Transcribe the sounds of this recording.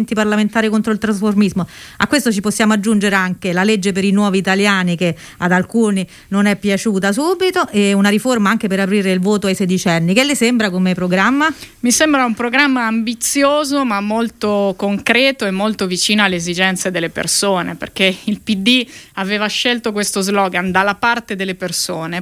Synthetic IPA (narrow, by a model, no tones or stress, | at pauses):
nt̪iparlament̪aːɾikont̪ɾoilt̪ɾasformizmoa̰kːwest̪ot͡ʃiposːjaːmoad͡ʒːund͡ʒeɾeaŋkelaled͡ʒːepeɾinwɔːviːt̪aljaːnike | ad̪alkuːni | nonɛpːjat͡ʃuːt̪as̬uːbit̪oʔeunaɾiformaaŋk̟epeɾapɾiːɾeilvoːt̪oajsed̪it͡ʃɛnːikelːesembɾakomepɾoɡɾamːamisembɾaumpɾoɡɾamːaːmbit̪sːjoːzomamːolt̪okoŋkɾɛːt̪oemːolt̪ovit͡ʃiːnoalːeezid͡ʒɛnt̪sed̪elːepḛrsoːnepḛrk̟eilpid̪iaveːvaʃːelt̪okwest̪ozlɔːɡand̪alːapart̪ed̪elːepersoːne